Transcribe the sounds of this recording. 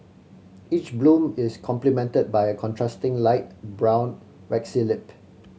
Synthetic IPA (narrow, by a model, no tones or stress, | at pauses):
it͡ʃblũmɪskʰɔ̃mplimɛ̃ntəd̚baɪəkʰɔ̃ntʰɹastɪ̃ŋlaɪt̚bɹãʊ̃n | ɹɛksilɪp